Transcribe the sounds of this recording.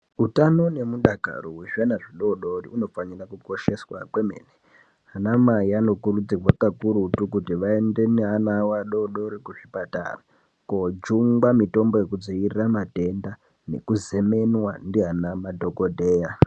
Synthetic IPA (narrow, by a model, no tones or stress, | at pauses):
utano̞ne̞muɗaka̰roweʐanaʐiɗo̞ɗo̞riuno̞faɲirakuko̞ʃe̞swa̰kwemḛːne | ɦanamaiano̞kuɾud͡zirwakakuɾutuk̬utiʋaende̞neanawaɗo̞ɗo̞ɾikuʐipata̰ra | kod͡ʒuŋɡwamito̞mbo̞je̞kud͡zoiriramate̞nda | ne̞̰kuzeme̞nwandiɦanamadʱo̞kodʱe̞ːja